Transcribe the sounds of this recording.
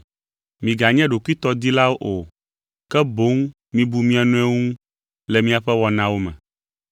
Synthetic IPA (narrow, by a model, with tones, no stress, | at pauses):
mĩ˨ɡa˨ɲɛ̃˦ɖo˨kʷi˦t̪ɔ˦d̪i˦la˦wo˦ʔo˨ | kɛ˦bo˦ŋ | mĩ˦bu˦mĩ˦a˨nũ˦ɛ˦ŋũ˦ | lɛ˨mĩ˦a˨ɸɛ˦wɔ˨nã˦wo˦mɛ̰̃˨